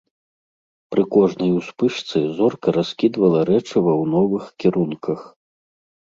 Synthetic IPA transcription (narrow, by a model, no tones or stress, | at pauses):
pɾɨkɔʐnɐjuspɨʂt̪sɨzɔrkɐɾaskʲid̪vɐlˠɐɾɛt͡ʂɨvɐwnɔvɨxkʲiɾunkʰɐx